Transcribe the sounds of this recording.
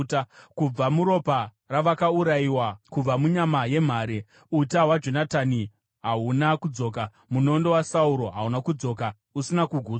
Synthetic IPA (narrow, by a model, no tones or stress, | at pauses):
tkub͡vamuɾo̞pa | raʋakauɾaiwakub͡vamuɲamaje̞m̤aːɾe | utawad͡ʒo̞natani | ɦaunakud͡zo̞ːk̬a | muno̞ndo̞wasauɾo̞ɦaunakud͡zo̞ːk̬a | usinakuɡʱuː